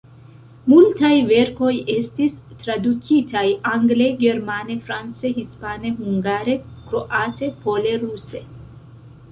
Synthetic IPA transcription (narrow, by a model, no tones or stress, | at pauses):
multajve̞ɾko̞je̞stistɾadukʰitʰajaŋɡle̞ɡe̞ɾmane̞fɾant͡se̞hispane̞ɦuŋɡaɾe̞kɾo̞ʔate̞pʰo̞le̞ɾuse̞